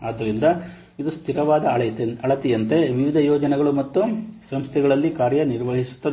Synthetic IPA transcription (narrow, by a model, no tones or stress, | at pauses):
aːd̪ɐɾind̪ɐ | id̪ust̪ʰiɾɐʋaːd̪ɐɐɭɐt̪ijɐnt̪e̞ʋiʋid̪ʱɐjɔːd͡ʒɐnɛɡɐɭumɐt̪ːusɐmst̪ʰɛɡɐɭɐlːikaːɾjɐniɾʋɐɦisu̥t̪ːɐ